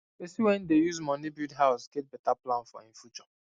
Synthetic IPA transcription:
esiwɛ̃ndejuzmɔ̃nibidɦaʊsɡɛt̚bɛtaplãnfɔ̰ĩɱfjut͡ʃɔ

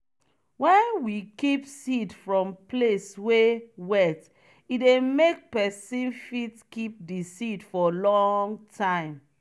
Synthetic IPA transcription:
wɛ̃nwikipsidfɹɔ̃mpleswewɛt | idemek̚pɛsĩnfitkip̚disidfɔlɔ̃ŋtʰãɪ̃m

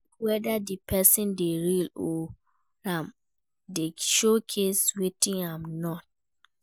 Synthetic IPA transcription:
wɛdadipʰɛsĩndeɹilɔ | ãm | deʃokʰeswetĩnãmnɔt̚

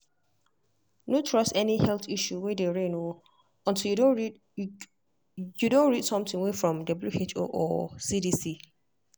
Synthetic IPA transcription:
notʰɹɔsɛnihɛlθiʃuwɛdeɹeno | ɔ̃ntʰiljudõnɹi | judõnɹidsɔ̃mtɪ̃ŋwefɹɔ̃mdɔbljuet͡ʃo̰ʔɔ̰sidisi

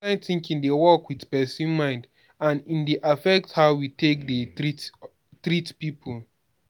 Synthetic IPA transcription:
ãɪ̃nθĩŋkĩndewɔkwidpɛsũnmãɪ̃nd | ãnĩndeʔafɛk̚thaʊwitek̚dəi | tɹitpipʰul

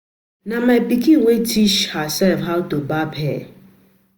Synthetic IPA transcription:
namapikiwetʰiʃhasɛlfɦaʊtobabɛ

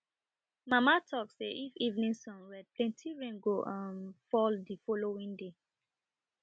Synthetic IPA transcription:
mamatʰɔkseʔifivnĩŋsɔ̃nɹɛd̚plɛ̃ntʰiɹɛ̃ŋɡoʔãnfɔldifɔlowĩŋde

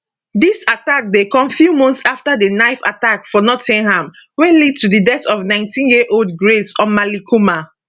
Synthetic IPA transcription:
disatak̚dekɔ̃mfjumɔ̃nθsaftadənaɪfa̰takfɔnɔtĩŋhãm | wɛlid̚tudidɛtɔvnãɪ̃ntʰĩnjiʔold̚ɡɹesɔ̃nmalikʰuma

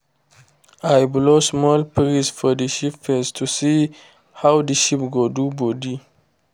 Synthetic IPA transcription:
ajblosmɔlpɾisfɔdəʃipfɛstʰusi | hawdəʃipɡodubɔdi

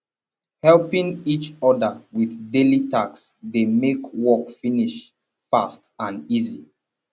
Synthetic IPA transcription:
hɛlpĩŋit͡ʃɔdəwiθdelitaksdemekwɔkfiniʃ | fastãnizi

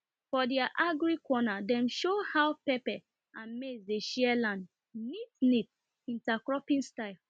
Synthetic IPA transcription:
fɔdɛaʔaɡɹikɔnadɛ̃mʃohawpɛpɛ | ãmesdeʃiɛlãnd | nitnit | ĩntakɹɔpĩnstaɪl

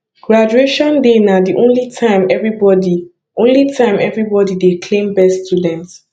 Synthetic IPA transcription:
ɡ̥ɹad͡ʒueʃɔ̃ndenadiʔõnlitʰãɪ̃mɛvɹibɔdi | ʔõnlitʰãɪ̃mɛvɹibɔdidekʰlẽmbɛstudɛ̃nt

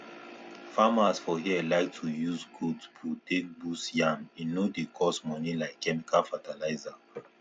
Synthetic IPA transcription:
famasfɔɦiəlaɪk̚tʰujuzɡudsputek̚busjãminodekʰɔsmɔnilaɪkʰːɛmikalfatalaɪza

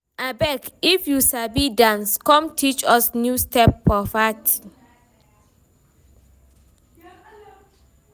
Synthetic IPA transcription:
abɛkifjusabidãnskɔ̃mtʰit͡ʃɔsnjustɛpːɔfatʰi

